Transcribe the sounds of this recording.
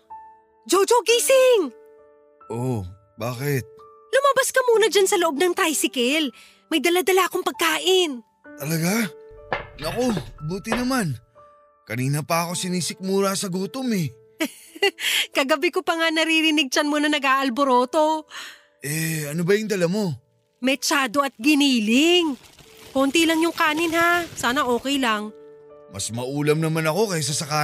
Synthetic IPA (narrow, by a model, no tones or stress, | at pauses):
d͡ʒod͡ʒoɡisɪŋ | ʔo | baːkɪt̪̚ | lʊmabɐskɐmuːnɐd͡ʒansɐloʔob̚nɐŋt̪ajsɪkɛl | mɐjd̪ɐlad̪ɐlaɐkoŋpɐɡ̚kaːʔɪn | t̪ɐlɐɡa | nɐko̞buːt̪ɪnɐman | kɐniːnɐpɐɐko̞sɪniːsɪk̚muːɾasɐɡuːt̪omɛ | kɐɡɐbɪkopɐŋanɐɾiɾɪnɪɡ̚t͡ʃɐnmonɐnɐɡaʔɐlboɾoːt̪o̞ | ʔɛɐnobɐjʊŋd̪ɐlɐmo̞ | mɛt͡ʃaːd̪o̞ɐt̪̚ɡɪniːlɪŋkont̪ilɐŋjʊŋkaːnɪnhasaːnɐʔo̞ːkɛjlɐŋmɐ̰smɐʔuːlɐmnɐmanɐko̞kɐjas̬ɐsɐkaː